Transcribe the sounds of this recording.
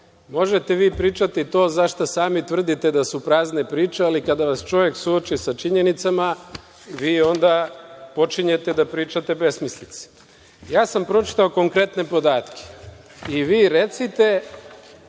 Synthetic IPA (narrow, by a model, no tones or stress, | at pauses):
mo̞ʒet̪eʋiːpɾiːt͡ʃat̪it̪o̞ːzaʃt̪asaːmit̪vr̩d̪it̪ed̪asupɾaːznepɾiːt͡ʃealikad̪aʋast͡ʃo̞ʋjeksuot͡ʃisat͡ʃiɲe̞nit̪sama | ʋiːo̞nd̪apo̞t͡ʃiɲet̪ed̪apɾiːt͡ʃat̪e̞be̞smislit̪si̥ | jaːsampɾo̞t͡ʃi̥t̪ao̞ko̞ŋkɾe̞t̪ne̞po̞d̪aːt̪kʰe̥ | iʋiːɾet̪sit̪e